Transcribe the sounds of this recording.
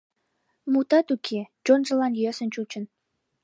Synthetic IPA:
mut̪ɑt̪ukʰed͡ʒonʒəlɑnjøsə̆nt͡ɕut͡ɕə̆n

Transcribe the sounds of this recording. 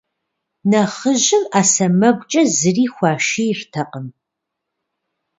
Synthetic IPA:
nɐχəʒɪmaːsɐmɐɡʷʼt͡ʃʼɐzɨriːxʷɑːʃiːjrtʰɐqəm

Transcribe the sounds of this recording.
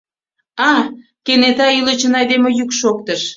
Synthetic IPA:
ɑ | kenet̪ɑylə̆t͡ɕənɑjd̪emejykʃok̚t̪əʃ

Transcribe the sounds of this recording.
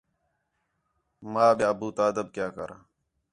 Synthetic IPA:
mãːɓjeəbuːt̪aːd̪əb̚kjaːkəɾaː

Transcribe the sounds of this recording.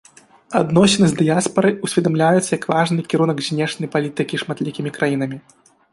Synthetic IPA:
ad̪nɔsʲɛnɨzʲd̪ɨjaspɐɾɨusʲvʲɛd̪amlʲajut̪sːɐjɐkvaʐnɨkʲiɾunɐɡzʲnʲɛʂnɐjpalʲit̪ɨkʲiʂmat̪lʲikʲimʲikɾajinɐmʲi

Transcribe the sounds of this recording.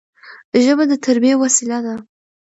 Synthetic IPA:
ʒəbad̪ət̪ʰaɾbijewasilad̪a

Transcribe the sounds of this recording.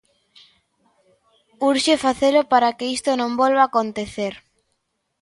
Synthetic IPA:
uɾʃefaθelʊpaɾakeist̪onõmbolβaːkont̪eθeɾ

